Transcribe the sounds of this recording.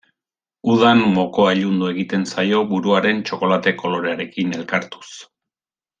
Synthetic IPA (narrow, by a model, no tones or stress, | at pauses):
uðanmo̞ko̞aʎund̪ue̞ɣit̪e̞nsajo̞βuɾuaɾe̞nt͡ʃo̞ko̞lat̪e̞ko̞lo̞ɾe̞aɾe̞kine̞lkaɾt̪u̥s